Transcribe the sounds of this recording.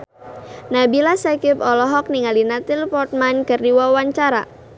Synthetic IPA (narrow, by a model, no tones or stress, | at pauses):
nabilasakɪpɔlɔɦɔk̚niŋalinat̪ɪlpɔrt̪̚mankɨrdiwawaɲt͡ʃaɾa